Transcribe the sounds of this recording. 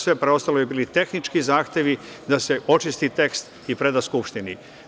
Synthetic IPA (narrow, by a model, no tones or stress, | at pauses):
sʋe̞pɾeo̞st̪alojebiːlit̪e̞xnit͡ʃkizaːxt̪e̞ʋi | d̪ase̞o̞t͡ʃist̪it̪e̞kst̪ | ipɾe̞d̪askupʃt̪ini